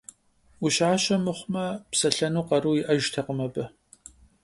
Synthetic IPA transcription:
uɕaːɕɐmɨχʷmɐpsɐɬɐnuːqɐɾuːjɪʔɐʒtʰɐqəmɐbɐ

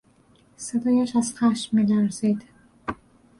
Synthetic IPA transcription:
sed̪ɒːjæʃæz̥xæʃmːiːlæɾzid̪̥

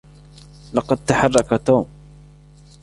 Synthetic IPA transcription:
lɑqɑd̪̚t̪aħɑrˤːɑkat̪uːm

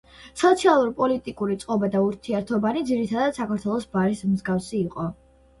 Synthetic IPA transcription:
sɔt̪sʰialˠuɾpʼɔlit̪ʼikʼuɾit̪sʼqʼɔbad̪auɾt̪ʰiɛɾt̪ʰɔbanid̪ziɾit̪ʰad̪ad̪̥sakʰaɾt̪ʰwɛlˠɔsbaɾismzɡafsiːqʼɔ

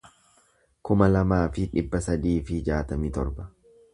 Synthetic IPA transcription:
kʊmɐlɐmaːfɪᶑɪbːɐsɐd̪iːfɪd͡ʒaːt̪ɐmiːt̪ɔɾbɐ̥

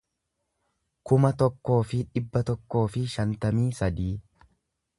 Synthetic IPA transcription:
kʊmɐt̪ɔkːo̞ːfɪᶑɪbːɐt̪ɔkːo̞ːfɪʃɐnt̪ɐmiːsɐd̪iː

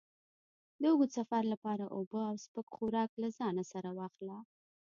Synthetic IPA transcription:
d̪əoɡosafaɾlapɑɾaʔobəawspəkxuɾɑklazɑnasaɾawɑxla

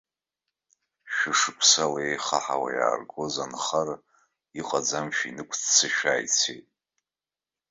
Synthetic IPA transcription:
ʃᶣɪʂɨkʷʰsalejχaħawa̰ja̰ːrɡo̞zanχar | iqʼad͡zamʃᶣinɨkʷʰt͡sʰt͡sʰɨʃᶣaːjt͡sʰḛjtʼ

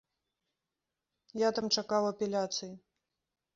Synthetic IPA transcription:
jat̪amt͡ʂakawɐpʲɛlʲat̪sɨji

